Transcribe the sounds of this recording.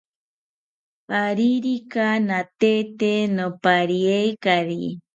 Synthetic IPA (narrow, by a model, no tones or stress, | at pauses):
aɾiɾikanat̪et̪enopaɾiejkaɾi